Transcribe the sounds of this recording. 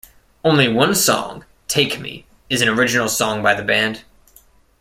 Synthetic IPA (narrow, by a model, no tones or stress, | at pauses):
õʊ̃nliwʌ̃nsɔ̰̃ŋ | tʰeɪkmḭ | ɨznə˞ɪd͡ʒɨnl̩ˠsɔ̃ŋbaɪðɨbæ̃nd̥